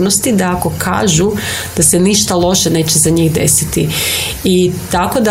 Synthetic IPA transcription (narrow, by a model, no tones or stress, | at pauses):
nost̪id̪aako̞kʰa̰ːʒu | d̪̥aseniʃt̪alˠo̞ʃene̞ːt͡ɕezaɲiɣd̪e̞̰sit̪i | it̪ako̞d̪a